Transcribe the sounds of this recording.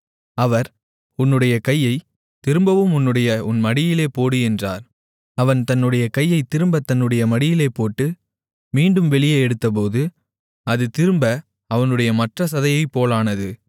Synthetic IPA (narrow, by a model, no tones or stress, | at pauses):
ɐʋɐɾ | ʊnːɯɽɐjɐkɐjːɐɪ | t̪ɪɾɯmbɐʋɯmʊnːɯɽɐjɐʊnmɐɽɪjɪleːpoːɽɯɛndra̰ːɾ | ɐʋɐnt̪ɐnːɯɽɐjɐkɐjːɐɪt̪ɪɾɯmbɐt̪ɐnːɯɽɐjɐmɐɽɪjɪleːpoːʈːɯ | miːɳɖɯmʋɛɭɪjeːɛɽɯt̪ːɐp̬oːðɯ | ɐðɯt̪ɪɾɯmbɐ | ɐʋɐnɯɽɐjɐmɐʈrɐs̬ɐðɐjɐɪpːoːlaːnɐðɯ